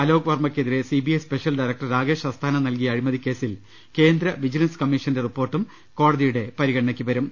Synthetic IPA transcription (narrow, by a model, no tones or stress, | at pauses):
ɐlo̞ːɡɐʋɐrmɐkʲːeðiɾe̞sibijɐjspe̞ʂɐlɖɐjɾɐk̚ʈɐrɾaːɡe̞ːʂɐst̪ʰaːnɐmnɐlk̬ijɐːɻimɐðikʲːe̞ːsil | ke̞ːnd̪ɾɐʋid͡ʑinɐnskɐmːiʂɐnde̞ripːo̞ːrʈːum | ko̞ːɽɐðijuɽe̞pɐɾiɣɐʈɳɐkʲːiuʋɐɾum